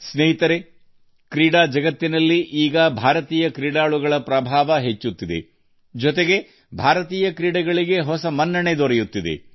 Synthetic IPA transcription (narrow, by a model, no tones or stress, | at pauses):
sneɦit̪ɐɾe | kɾiːɽaːd͡ʒɐɡɐt̪ːinɐlːiʔiːɡɐbʱaːɾɐt̪iːjɐkɾiːɽaːɭuɡɐɭɐpɾɐbʱaːʋɐɦet͡ʃːut̪ːid̪e̞̰ | d͡ʒɔt̪e̞ɡe̞ | bʱaːɾɐt̪iːjɐkɾiːɽɐɡɐɭiɡe̞ɦɔsɐmɐnːɐɳe̞d̪ɔɾejut̪ːid̪e̞̰